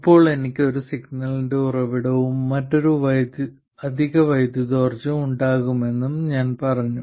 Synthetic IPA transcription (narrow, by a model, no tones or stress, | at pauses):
ipːo̞ːɭe̞nikʲːɨo̞ɾusiɡnɐlindeurɐʋiɽɐʋumːɐʈːo̞ɾuʋɐjd̪jɨ | ɐd̪ʱiɣɐʋɐjd̪jɐðo̞ːrd͡ʑɐuɳɖaːɣume̞nːumɲaːnpɐrɐɲːu